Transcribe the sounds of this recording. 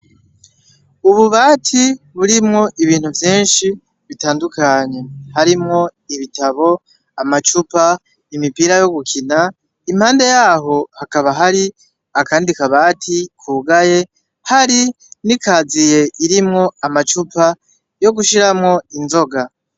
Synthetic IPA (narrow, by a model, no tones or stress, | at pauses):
uβuβaːtʰi | βuɾimŋo̞ʔiβiːn̥huvjiːnʃi | βitaːndukaɲe̞haɾimŋo̞iβitaβo̞ | amat͡ʃupa | imipiɾajo̞ɡukʰina | im̥haːnde̞jaːɦo̞hakaβaɦaɾi | akaːndikaβaːtʰikʰuɡaje̞ | haɾi | nikʰaːzije̞ʔiɾimŋo̞amat͡ʃupa | jo̞ɡuʃiɾamŋo̞inzo̞ɡa